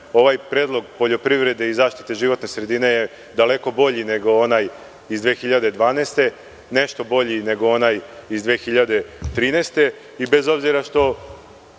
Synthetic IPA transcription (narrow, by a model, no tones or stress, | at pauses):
o̞ʋajpɾeːd̪lˠo̞ɡpo̞ʎo̞pɾiʋɾe̞d̪e̞izaːʃt̪i̥t̪e̞ʒiʋo̞t̪nesɾe̞d̪ine̞je | d̪ale̞ko̞bo̞ʎine̞ɡo̞onaːj | izd̪ʋeːxiʎad̪ed̪ʋaːneːst̪e̞ | ne̞ʃt̪o̞bo̞ʎine̞ɡoonaːjizd̪ʋeːxiʎad̪e̞t̪ɾiːneːst̪e̞ | ibe̞zo̞bziɾaʃt̪o̞